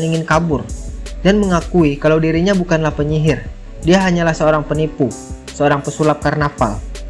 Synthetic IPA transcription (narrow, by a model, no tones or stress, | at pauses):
niŋɪnkabʊrdanməŋakuikalawdiɾiɲabukanlahpəɲiɦɪr | diaɦaɲalahsəoɾaŋpənipu | səoɾaŋpəsulap̚karnafa̰l